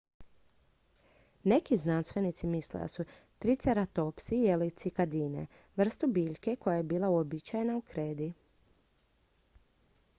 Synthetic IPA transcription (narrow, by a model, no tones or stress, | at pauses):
ne̞kiznanst̪ʋe̞nit̪simislḛd̪a̰su | t̪ɾit̪seɾat̪o̞psijelit̪sikad̪iːnḛ | ʋr̩st̪ubiːʎke̞ko̞jajebiːlˠauobit͡ɕajenaukɾeːd̪i